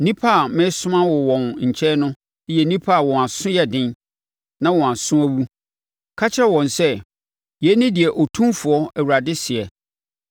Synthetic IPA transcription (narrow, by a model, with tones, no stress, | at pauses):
nĩ˦pʰa˦˨mɪ̃˦sʊ̃˦mã˦wɔ˨wɔ̃˨nɲ̩˨t͡ɕʰɛ˦nʊ̃˦ | ɪ˦jɛ˨nĩ˦pʰa˦˨wɔ̃˨a˨sʊ̃˦jɛ˦dɪ̃˦n | nã˦wɔ̃˨a˨sʊ̃˦æ˦wu˦ | kʰa˦t͡ɕʰɛ˦wɔ̃˨nsɛ˦ | jɛ˨˦nɪ̃˦dɪ˨ɛ˨ʔɔ˨tʰũ˦mfʊ˨ɔ˦æ˨wu˨ɾa˨dɪ˦sɪ˨ɛ˨